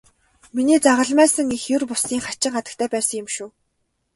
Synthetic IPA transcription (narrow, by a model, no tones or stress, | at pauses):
miniːt͡saʁə̆ɮmæːsə̆ŋixjʊrpʊsiːŋχat͡ɕɪ̆ŋɢat̪ə̥̆kt̪ʰæːpæːsə̆ŋjʊ̆mʃuː